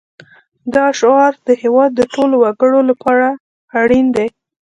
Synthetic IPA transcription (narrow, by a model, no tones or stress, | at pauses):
d̪ɑʃoɑɾd̪̥əhewɑd̪̚ːəʈolowaɡəɽolapʰɑɾaː | ɽind̪ej